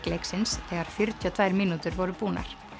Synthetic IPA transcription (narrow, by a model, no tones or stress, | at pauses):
klejksɪnsɛːɣaɾ̥fjʏɾt̪ʰiɔt̪ʰvaːjɾmiːnut̪ʏɾvɔɾʏpuːna̰ɾ̥